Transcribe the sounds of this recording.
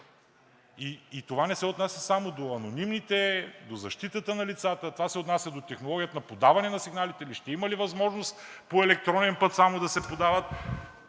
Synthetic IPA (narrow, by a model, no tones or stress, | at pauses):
iːt̪ovanɛsɛot̪nasʲjɐsamod̪oɐnonimnit̪ɛd̪ozɐʃt̪it̪ət̪ənɐlit̪sat̪ət̪ovasɛot̪nasʲjɐd̪ot̪ɛxnolˠɔɡʲijət̪ənɐpod̪avɐnɛnɐsiɡnalit̪ɛiliʃt̪ɛimɐlivɐzmɔʒnost̪poɛlɛk̚t̪ɾɔnɛnpɤt̪samod̪ɐsɛpod̪avət̪̚